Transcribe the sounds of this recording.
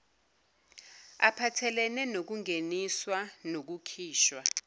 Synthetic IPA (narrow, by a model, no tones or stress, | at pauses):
a̰pʰatʰɛlɛnɛnok̬uŋeniswanok̬ukʰiːʃwa